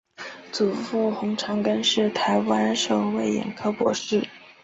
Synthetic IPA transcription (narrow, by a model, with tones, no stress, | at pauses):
t͡su˨˩fu˥˩xʊ˧˥ŋʈ͡ʂʰɑ˧˥ŋkə˥nʂɻ̩˥˩t̪ʰa˧˥ɪwa˥nʂo˨˩ʊwe˥˩ɪjɛ̰˨˩nkʰɤ˥pwɔ̰˧˥ʂɻ̩˥˩